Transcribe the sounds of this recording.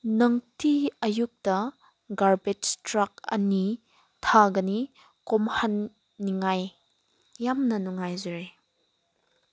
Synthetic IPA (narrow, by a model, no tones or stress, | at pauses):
nɐŋtʰiɐjuk̚tɐ | ɡaɾbed͡ʒtɾak̚ɐ̰ni | tʰaɡɐni | komhanː | iŋajː | amnɐnuŋajzuɾe